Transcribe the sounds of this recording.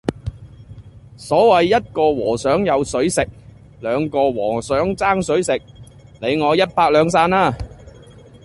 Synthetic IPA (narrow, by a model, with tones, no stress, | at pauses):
sɔː˨˥wɐ˨jːɐ˥t̚kɔː˧wɔ̰ː˨˩sœː˨˥ŋjɐ˨˧wsɵ˨˥ɥsɪ˨k̚ | lœː˨˧ŋkɔː˧wɔː˨˩sœː˨˥ŋt͡saː˥ŋsɵ˨˥ɥsɪ˨k̚ | le˨˧jŋɔː˨˧jɐ˥t̚paː˧k̚lœː˨˧ŋsaː˧naː˥˩